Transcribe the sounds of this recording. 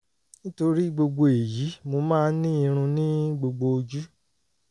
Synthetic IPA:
nĩ˦to˧ɾi˦ɡ͡bo˧ɡ͡bo˧e˨ji˨˦mo˧mãː˦nĩ˦i˧ɾ̃ũ˧nĩ˦ɡ͡bo˧ɡ͡bo˧o˧d͡ʒu˦

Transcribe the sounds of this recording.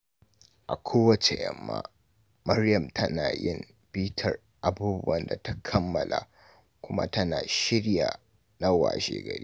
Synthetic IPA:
ʔa˨kʷʰoː˦wɐ˦t͡ʃe˨jɐ˦mːa̰ː˦ | mɐ˦ɾjɐ˨mtʰɐ˦naː˨jɪ˦m | piː˦tʰɐ˨r | ʔa˨buː˦bʊ˦wɐ˨nda˨ta˦kʰɐ˦mːɐ˨lʔa˨ | kʷʊ˦ma̰˦tɐ˦naː˨ʃɪ˦ɽja˨ | na˦wa̰ː˨ʃḛː˦ɡɐ˨ɾḭː˦

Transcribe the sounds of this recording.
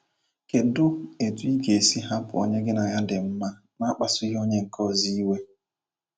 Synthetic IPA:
ke˨dʊ˦e˨tu˦i˦ɡe˨si˦ɦa˦pʊ̰˨o̰˦ɲe˦ɡɪ˦na˨ja˦dɪ˨m̩˦ma˦ | na˦k͡pa˨sʊ˦ji˦o˦ɲe˦ŋ̩˨kʰɔ˦˨zi˦i˦we˦

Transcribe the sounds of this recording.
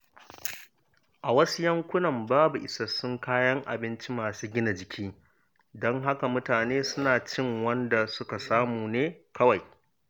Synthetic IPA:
ʔa˨wɐ˦su˦jɐ˦ŋkʷʊ˦nɐ˨mbaː˦bu˨ʔɪ˨sɐ˦sʊ˦ŋkaː˦jɐ˦ŋʔa̰˨bɪ˦nt͡ʃi˦maː˨suː˦ɡʲɪ˦na˨d͡ʒɪ˨kʲʰiː˦ | dɔ˦ŋɦa˦ka˨mʊ˦taː˨neː˦sʊ˦naː˨t͡ʃɪ˦ŋwɐ˦nda˨sʊ˦ka˨saː˦muː˨neː˦kʰɐ˦wa˨j

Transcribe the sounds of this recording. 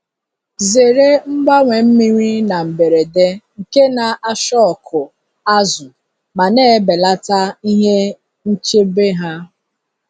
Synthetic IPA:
ze˨ɾe˦m̩˦ɡ͡ba˦ŋʷe˨m̩˦mi˦ŋʷi˦na˨m̩˨be˨ɾe˨de˦ŋ̩˨ke˦na˨ʔa˦ʃɔ˦ɔ˨kʰʊ˨ | a˦zʊ˨ | ma˨ne˦be˨la˦ta˦i˦ɦe˦ | n̩˦t͡ʃe˦be˦ɦa˦

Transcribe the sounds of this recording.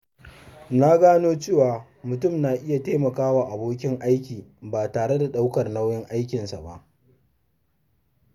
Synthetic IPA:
na˦ɡaː˦noː˦t͡ʃeː˦˨waː˨ | mʊ˨tʊ˦˨mnaː˨ʔɪ˦ja˨teː˦mɐ˨kaː˦waː˨ʔa˨boː˦k̬ʲɪ˦ŋʔa˦jkʲiː˨baː˨taː˨ɽe˦da˨ɗa˦wkɐ˨rna˦wjɛ˦ŋʔa˦jkʲɪ˨nsa̰˨ba̰˦ʔ

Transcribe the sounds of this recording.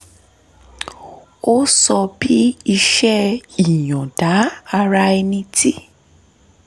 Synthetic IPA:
o˦sɔ˧bi˦i˧ʃɛ˦i˨jɔ̃˨da˨˦a˧ɾa˧ɛ˧nĩ˧ti˦

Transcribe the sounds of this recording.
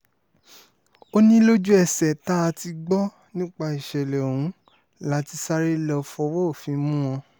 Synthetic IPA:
o˦nĩ˦lo˦d͡ʒu˦ɛ˨sɛ˨ta˦a˧ti˧ɡ͡bɔ˦ | nĩ˦k͡pa˧i˨ʃɛ˨lɛ˨o˨ũ˨˦ | la˦ti˧sa˦ɾe˦lɔ˧fɔ˧wo˦o˦˨fĩ˧mũ˦w̃ɔ̃˧

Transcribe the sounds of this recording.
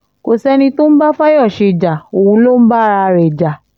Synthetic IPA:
ko˨sɛ˧˦nĩ˧to˦n̩˦ba˦fa˦jɔ˦˨ʃe˧˨d͡ʒa˨o˨wũ˧lo˦n̩˦ba˦ɾa˧ɾɛ˨d͡ʒa˨

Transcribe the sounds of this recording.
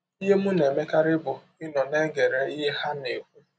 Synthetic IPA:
i˦ɦe˦mu˦ne˨me˦ka˦ɾɪ˦bʊ˨ | ɪ˦nɔ˨ne˦ɡe˨ɾe˦i˦ɦe˦ha˦ne˨kʷu˦

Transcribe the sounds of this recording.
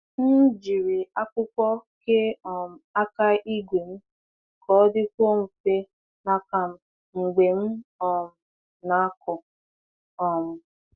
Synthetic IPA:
n̩˦d͡ʒi˨ɾi˨a˦kʷʊ˦kʷɔ˦ke˦ɔ˨m̩˨a˦ka˦ʔi˦ɡʷe˨m̩˦ | kɔ˨˦dɪ˦kʷo˦m̩˨fe˦ | na˨ka˨m̩˨ | ŋ͡m̩˨ɡ͡be˨m̩˦ɔ˨m̩˨ | na˨a˦kʊ˨ | ɔ˨mʊ˨

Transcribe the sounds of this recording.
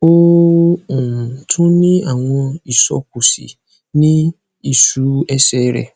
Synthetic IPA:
o˦ | ũ˨n̩˨tʰũ˦nĩ˦a˦˨w̃ɔ̃˧i˨sɔ̰˨k̚u˨sḭ˨ | nĩ˦ | i˨su˨˦ɛ˦sɛ˦˨˦ɾɛ̰˨

